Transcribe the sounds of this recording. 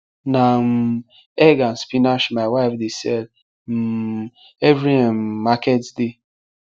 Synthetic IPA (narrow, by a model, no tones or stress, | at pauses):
nam̩ | ɛɡan̩spinaʃmawafdesɛl | m̩ | ɛvɾimmakɛtsde